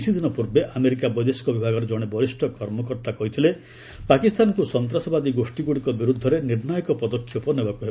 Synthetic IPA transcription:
sʰid̪ʱinɔpuɾbeʔameɾikabɔjd̪eskɔbibʱaɡɔɾɔd͡ʒɔɽ̃ebɔɾisʈʰɔkɔɾmɔkɔɾt̪akɔɦit̪ʰile | pakist̪ʰankusɔnt̪ɾasɔbad̪iɡosʈiɡuɽikɔbiɾud̪ʱːɔɾeniɾnajɔkɔpɔd̪ɔkʰːjɔpɔnebakuɦe

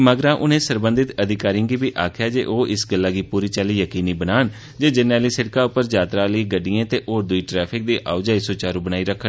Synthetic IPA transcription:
maɡɾãːʔʊnẽːsəɾbə̃nd̪ɪt̪əd̪ɪkaːɾɪ̃ɡiːbiːʔaːkʰɪjaːd͡ʒeːʔoːʔɪsɡəlːaːɡiːpuːɾiːt͡ʃaliːjəkiːniːbənaːn | d͡ʒeːd͡ʒənaːliːsɪɽkaːʊpːəɾd͡ʒaːt̪ɾãːləiːɡəɖɪjãːt̪eːʔoːɾd̪ʊiːʈɾɛːpʰɪk̚d̪iːʔʔaːd͡ʒaːiːsoːt͡ʃaːɾũːbənaːiːɾəkʰːə

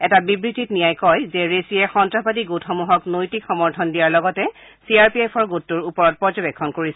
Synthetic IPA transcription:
ɛtabibɹititnijajkɔjzɛɹesiɛxɔntɹapatiɡotʰɔmuɦɔknojtikxɔmɔɹtʰɔndijaɹlɔɡɔtɛ | siaɹpiejpʰɔɹɡotːuɹupɔɹɔt̚pɔɹzɔbekʰːɔnkoɹisɛ

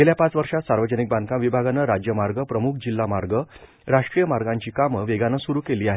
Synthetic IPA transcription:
ɡeljapat͡sʋəɾʂat̪saɾʋəd͡ʑənik̚band̪kãʋibʱaɡanəɾad͡ʑjəmaɾɡəpɾəmukʰd͡ʑilːamaɾɡə | ɾaʂʈɾijəmaɾɡãɲt͡ɕiːkaməʋeɡanəsuɾuːkeliːaɦe

